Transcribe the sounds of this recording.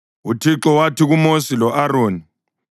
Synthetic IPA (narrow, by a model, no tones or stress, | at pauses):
utʰiǁɔwatiɣumosilɔʔaɾoːni